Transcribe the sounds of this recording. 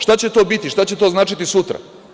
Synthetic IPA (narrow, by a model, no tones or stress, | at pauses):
ʃt̪at͡ɕe̞t̪o̞ːbit̪iʃt̪at͡ɕet̪oznaːt͡ʃit̪isut̪ɾa̰